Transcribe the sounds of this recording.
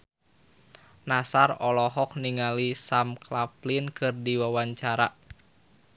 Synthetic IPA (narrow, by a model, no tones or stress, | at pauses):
nasarɔlɔɦɔk̚niŋalisamklaplinkɨrdiwawaɲt͡ʃaɾa